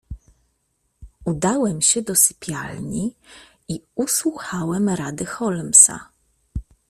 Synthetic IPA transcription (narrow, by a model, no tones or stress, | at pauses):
ud̪awɛmɕɛd̪ɔsɘ̥pʲjalɲi | iuswuxawɛmɾad̪ɘxɔlmsa̰